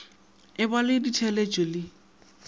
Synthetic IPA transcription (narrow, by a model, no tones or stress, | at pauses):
ɪbalɪditʰɛled͡ʒʼɔlɪ